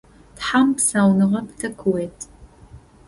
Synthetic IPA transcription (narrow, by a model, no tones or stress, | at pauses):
tħampsaːwnɨʁɐptʰɐkʰɨweːtʰ